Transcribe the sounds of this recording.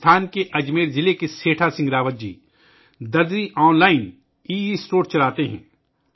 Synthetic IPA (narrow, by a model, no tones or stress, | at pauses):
t̪ʰaːnkeʔɐd͡ʒmeːɾzɪlekeseːʈʰasɪ̃ŋɡɾaːʋət̪̚d͡ʒḭː | d̪ɐɾd̪iʔɔːnlaːɪn | iːisʈoːɾt͡ʃɐlaːt̪eɦɛ̰̃ː